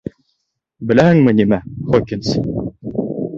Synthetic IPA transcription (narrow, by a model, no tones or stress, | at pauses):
bɘ̆læhɘŋmɘnimæχokʲins